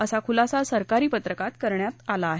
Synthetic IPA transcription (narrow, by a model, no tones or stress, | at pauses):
əsakʰulasasəɾkaɾiːpət̪ɾəkat̪kəɾɳjat̪alaːɦe